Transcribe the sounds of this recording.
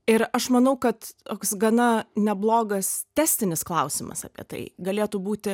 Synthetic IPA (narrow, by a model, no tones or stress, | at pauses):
ɪɾɐʃmɐnɐʊkɐt̪t̪oːksɡɐnɐnʲɛblˠoːɡɐst̪ʲæːsʲt̪ʲɪnʲɪsklˠɐʊsʲɪmɐ̰sɑ̰pʲiɛt̪ɐ̰ɪɡɐlʲeːt̪uːbuːt̪ʲɪ